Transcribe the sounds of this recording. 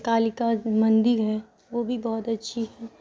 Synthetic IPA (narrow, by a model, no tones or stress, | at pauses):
kaːlikamɐ̃nd̪ɪɾɦɛ | ʋobʱibɔːt̪ɐtːʃʰiɦɛː